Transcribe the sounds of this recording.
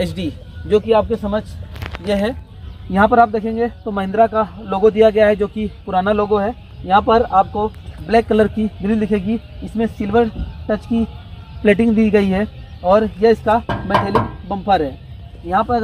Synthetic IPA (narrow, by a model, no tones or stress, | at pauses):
ɛsɖi | d͡ʒoːkiaːp̚kesɐməd͡ʒjeɦɛ | jɐɦãp̬ɐɾaːp̚d̪eːkʰẽːŋɡet̪omɐɦɪ̃nd̪ɾakaloːɡõd̪ijaɡɐjaɦɛd͡ʒoːkipʊɾaːnaloːɡõɦɛ | jɐɦãpɐɾaːp̚koblɛːkːɐləɾkid̪ɪɾiːd̪ɪkʰeːɡi | ɪsmẽsɪlʋəɾʈɐt͡ʃki | plɛːʈ̬ɪ̃ŋɡd̪iːɡɐiɦɛ | ɔːɾjɐɪskamɛːt̪ʰɛːlɪkbɐ̃mpʰaɾɦɛː | jɐɦãpɐɾ